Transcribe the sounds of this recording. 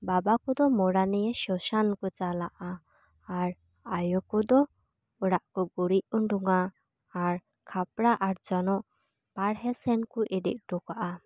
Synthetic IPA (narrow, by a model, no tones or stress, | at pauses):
babakɔd̪ɔmɔɽanɛjɛʃɔʃankɔt͡ʃalaʔaː | ɾ | ajɔkɔd̪ɔ | ɔɽaʔkɔɡuɽiʔ̚uɳɖuŋaː | ɾ | kʰapɽaʔaɾd͡ʒɔnɔʔ | paɽɦɛsɛnkuʔiɖḭʔ̚ʈɔkaʔa